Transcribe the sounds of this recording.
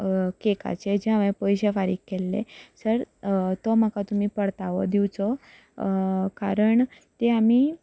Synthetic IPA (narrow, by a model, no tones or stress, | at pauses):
keka̰t͡ɕed͡ʑeamẽpəjɕefaɾiːkkːelːḛsəɾt̪om̤əkat̪um̤iːpəɽt̪aʋə̰d̪iwt͡sɔ | kaɾəɳ | t̪eam̤iː